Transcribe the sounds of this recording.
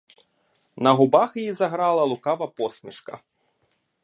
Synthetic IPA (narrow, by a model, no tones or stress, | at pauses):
nɐɣubaxjjizɐɣɾalˠɐlˠukavɐpɔsʲmʲiʂkɐ̰